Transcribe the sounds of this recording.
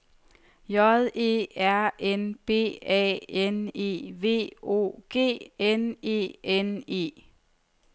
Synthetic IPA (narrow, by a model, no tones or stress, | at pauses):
jɒðˠe̝̰æɐ̰ʔenb̥e̝̰ːɛ̰ːene̝̰ːʋe̝̰ːo̝̰ːɡ̥e̝̰ːene̝̰ːene̝̰ː